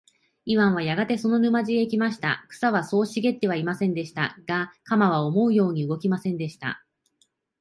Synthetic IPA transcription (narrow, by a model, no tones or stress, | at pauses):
iβãɰ̃β̞ajaɡat̪e̞so̞no̞nɯ̟maʑieikʲimaɕi̥t̪a̰kɯ̟̥saβaso̞ːɕiɡe̞t̪ːe̞β̞aimasẽ̞nd̪e̞ɕi̥t̪a̰ɡ̥akamaβ̞ao̞mo̞ɯ̟jo̞ːɲ̟iɯ̟ɡo̞kʲimasẽ̞nd̪e̞ɕi̥t̪a̰